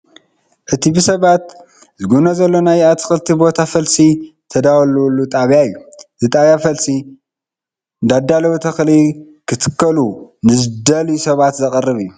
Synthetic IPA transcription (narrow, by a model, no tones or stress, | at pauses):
ʔɨt̪ʰibɨsɐβat̪ | zɨɡunɐzɐlːo̞najat̪ʰɨ̥xɨlt̪ʰibo̞t̪ʰafɐlsit̪ʰɐd̪awɐlwlːut̪ʼaβjaɨjːuzɨt̪ʼaβjafɐlsi | nd̪ad̪alɐwut̪ʰɐxli | kʰɨt̪ʰɨ̥kʰːɐlunɨzɨd̪ɐljusɐβat̪zɐkʼɨrːɨβijːu